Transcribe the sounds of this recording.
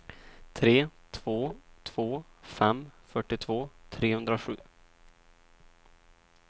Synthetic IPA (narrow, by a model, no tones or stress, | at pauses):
t̪ʰɾeːt̪ʰv̥oːt̪ʰv̥oːfɛmːfœʈːɪt̪ʰvoːt̪ʰɾeːhɵnd̪ɾaɧʉ̟̰ː